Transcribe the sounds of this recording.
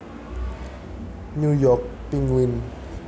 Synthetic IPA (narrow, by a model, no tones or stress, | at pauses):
ɲujɔk̚piŋwin